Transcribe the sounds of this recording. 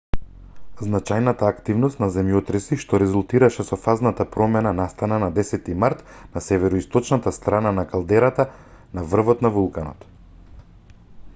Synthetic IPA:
znat͡ʃajnat̪aːkt̪ivnɔst̪nazɛmjɔt̪ɾɛsiʃt̪ɔɾɛzulˠt̪iɾaʃɛsɔfaznat̪apɾɔmɛnanast̪ananad̪ɛsɛt̪imaɾt̪ | nasɛvɛɾɔist̪ɔt͡ʃnat̪ast̪ɾananakalˠd̪ɛɾat̪a | navr̩vɔt̪navulˠkanɔ̰t̪

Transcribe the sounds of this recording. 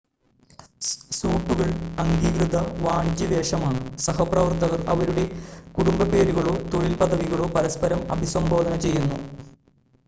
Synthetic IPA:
suːʈːuɣɐɭɐŋɡiːkrɨd̪ɐʋaːɳit͡ɕːɐd̪eːʂɐmaːɳɨsɐɦɐprɐʋɐrt̪ɐɣɐrɐ̰ʋɐɾuɽe̞kuɽumbɐpe̞ːɾuɣɐɭo̞ːt̪o̞ɭilpɐd̪ʱɐʋiɣɐɭo̞ːpɐɾɐspɐɾɐmɐ̰bʱisɐmbo̞ːd̪ʱɐnɐt͡ɕe̞jːunːu

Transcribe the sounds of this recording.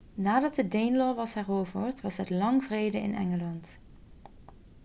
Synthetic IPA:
naːdɑtədejnlɔʋɑsɦɛroːwvəɹtʋɑsɦətlɑŋvrejdəɪ̰nʔɛ̰ŋəlɑnt

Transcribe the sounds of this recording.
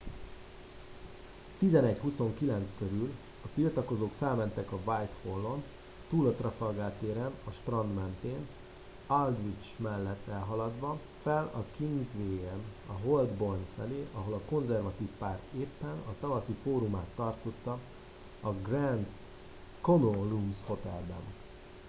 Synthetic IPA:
t̪izɛnɛɟhuso̞ŋkilɛnt̪skøɾyl | ɒt̪ilt̪ɒko̞zoːkfɛlmɛnt̪ɛkɒvajt̪holːo̞n | t̪uːlot̪rɒfɒlɡaːt̪eːɾɛnɒʃp̪rɒnd̪mɛnt̪eːn | ɒld̪ʋit͡ʃmɛlːɛt̪ːɛlɦɒlɒd̪ʋɒ | fɛlɒkiŋɡzʋeːɛnɒɦo̞ld̪bo̞rnfɛleːʔɒɦo̞lɒko̞nzɛrvɒt̪iːfpaːrt̪eːpːɛnɒt̪ɒvɒsifoːɾumaːt̪ːɒrt̪o̞t̪ːɒ | ɒɡrɛnd̪ | ko̞noruːmsho̞t̪ɛ̰lbɛ̰n

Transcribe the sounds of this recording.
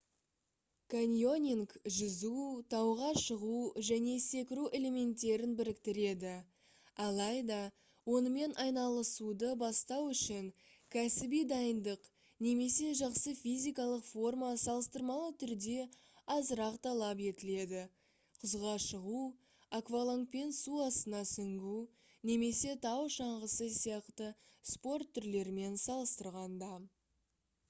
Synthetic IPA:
kʰanʲijo̞nʲiŋkʒəzut̪ʰɑwʁɑʃəʁuʒæne̞se̞kʲɪɾuʔe̞le̞me̞nt̪ːe̞ɾɪnbɪɾɪkt̪ɪɾe̞d̪ɪ | ɑlˠɑjd̪ɑ | wo̞nəme̞nʔɑjnɑlˠəsud̪əbɑst̪ɑwʏʃɪŋ | kʲʰæsɪbijd̪ɑjənd̪əq | ne̞me̞se̞ʒɑqsəfizʲijkɑlˠəqfo̞rmasɑlˠəst̪əɾmɑlˠət̪ʰʏɾd̪e̞ | ɑzəɾɑqt̪ʰɑlˠɑpe̞t̪ɪle̞d̪ɪ | qʰʊzʁɑʃəʁu | akvalˠoŋk̚pensuɑst̪ənɑsʏŋɡʲu | ne̞me̞se̞t̪ʰɑwʃɑɴʁəsəsijɑqt̪əspo̞rt̪ʰːʏɾle̞ɾɪme̞nsɑlˠəst̪əɾʁɑnd̪ɑ

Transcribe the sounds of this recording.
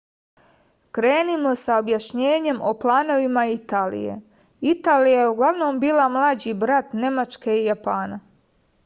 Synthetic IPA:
kɾe̞ːnimo̞saobjaʃɲe̞ːɲe̞mʔo̞plˠaːno̞ʋimait̪aːlḭjḛ | it̪aːlijajeuɡlˠaʋno̞ːmbiːlˠamlˠaːd͡ʑibɾat̪ne̞mat͡ʃke̞ijapaːna

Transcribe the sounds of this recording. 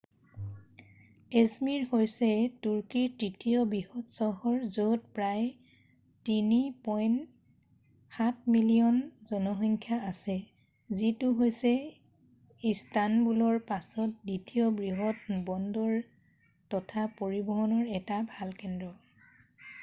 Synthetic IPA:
esmiɹhojsɛtuɹkitɹitʰijɔbɹihɔtsɔɦɔɹzot̚pɹaj | tinipɔjn | xat̚ʰmilijɔnzɔnɔxɔŋkʰjaasɛ | zitʊɦojsɛ | istanbulɔɹpasɔt̚ditʰiɔbɹiɦɔtbɔndɔɹ | tɔtʰapoɹibɔɦɔnɔɹɛtabʱalkɛndɹɔ

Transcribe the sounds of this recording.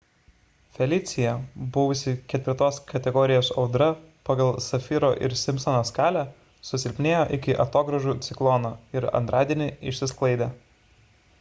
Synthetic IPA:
fʲɛlʲɪt̪sʲɪjɛbʊʋʊsʲɪkʲɛt̪ʲʋʲɪɾt̪oːskɐt̪ʲɛɡɔːɾʲɪjoːsɒʊd̪ɾɐ | pɐɡɐlˠsɐfʲɪɾoːʔɪ̰ɾsʲɪmʲpsɐnoskɑːlʲæ | sʊsʲɪlʲpʲnʲeːjoːʔɪkʲɪʔɐt̪oːɡɾɐʒuːt̪sʲɪklˠɔnoːɪɾɐ̰nt̪ɾʔɑːd̪ʲiɛnʲɪɪʃʲsʲɪsklˠɐɪd̪ʲɛ

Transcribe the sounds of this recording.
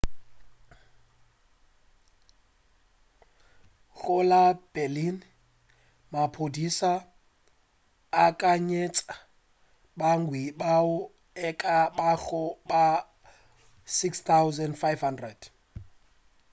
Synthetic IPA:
ɣʊlab̥ɛlin | mapʰodisa | kʼaɲet͡sʼa | baŋ̩ɡwibaʊ | ɛkʼabaɣʊba | sikst̪ʰawzɛndfajfhandrɛd̥

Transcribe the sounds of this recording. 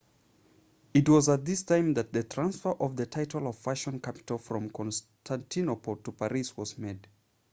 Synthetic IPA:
ɨtwʌzət̪̚ðɪstʰãɪ̃mðɨt̪̚ðɨtʰɹ̥ãnsfə˞ʔʌvðɨtʰaɪɾlˠʌv̥faʃə̃nkʰapɪ̥təl̩ˠfɹʌ̃mkʰɔ̃ns | tʰæ̃ntʰinopotəpʰaɹiswʌzmed

